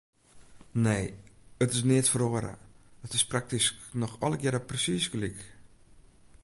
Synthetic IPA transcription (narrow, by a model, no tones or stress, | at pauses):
neːətɪsnɪətfəroəɾə̰ətɪsprak̚tisknɔxɔləɡjɪɾəprəsisɡəlik